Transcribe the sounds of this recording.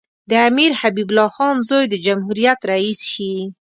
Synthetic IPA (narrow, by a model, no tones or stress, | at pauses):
d̪əamiɾhabibʊlɑxɑnzojd̪əd͡ʒamhuɾijat̪ɾaisʃi